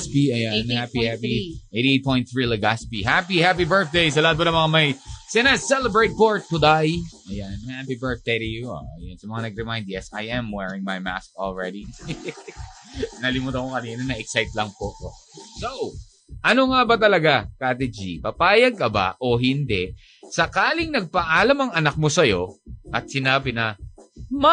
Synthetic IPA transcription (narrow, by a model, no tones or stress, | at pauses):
spiʔɐjanhapihaiʔejt̪iet̪̚põjnt̪θɹilɐɡaspiɦapihap̬ibɜ˞θ̚d̪ejs̬ɐlaat̪̚bɐnɐmɐŋamɐjsɪnasɛlɛbɹejt̪̚poɹt̪̚kʊd̪ajʔɐjanhapibɜɹθd̪ejɾɪjuo̰ʔɐ̰jonsɐmɐŋanɐɡ̚ɾɛmajnd̪̚jɛsajʔɛmwɛɹɪ̃ŋmajma̰skɔlɹɛd̪i | nɐlɪmʊt̪ɐkokɐniːnɐnɐʔɛksajt̪lɐŋpopo | sow | ʔɐnoŋabɐt̪̬ɐlɐɡakat̪ɛd͡ʒipɐpaːjɐɡ̚kɐba̰ʔo̞ɦɪnd̪ɛʔ | sɐkaːlɪŋnɐɡ̚pɐʔaːlɐmɐŋɐnɐk̚mosɐjo̞ʔɐt̪̚sɪnaːbɪnɐ | ma